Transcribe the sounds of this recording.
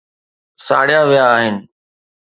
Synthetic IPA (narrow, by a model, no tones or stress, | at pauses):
sa̰ːɽ̤ɪjaʋɪjaːɦɪnɪ̆